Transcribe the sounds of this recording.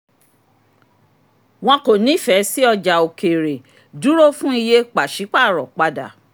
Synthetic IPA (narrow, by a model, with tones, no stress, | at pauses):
w̃ɔ̃˧ko˨nĩ˨˦fɛ˨˦si˦ɔ˧d͡ʒa˨o˨ke˨ɾe˨ | du˨˦ɾo˦fũ˦i˧je˦k͡pa˨ʃi˨˦k͡pa˦˨ɾɔ˨k͡pa˧da˨